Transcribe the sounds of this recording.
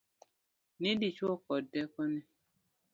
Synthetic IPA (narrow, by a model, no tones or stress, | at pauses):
nĩdit͡ʃuɔkɔdɛkɔnĩ